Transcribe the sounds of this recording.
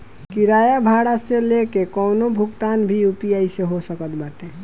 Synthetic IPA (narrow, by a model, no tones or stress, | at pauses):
kiɾajabʱaɽaselekekɔwnobʱukt̪anbʱiupijajseɦosəkət̪baʈe